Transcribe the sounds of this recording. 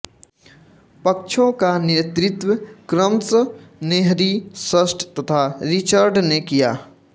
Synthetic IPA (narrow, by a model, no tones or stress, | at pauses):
pək̚t͡ʃʰõkanet̪ɾɪt̪wəkɾəmsəneɦɾisəsʈʰt̪ɐt̪ʰaɾɪt͡ʃəɾɖnekija̰ː